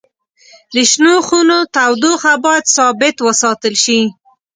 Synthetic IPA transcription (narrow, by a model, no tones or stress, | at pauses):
d̪əʃnoxunot̪awd̪oxabɑjad̪sɑbɪt̪wəsɑt̪əlʃi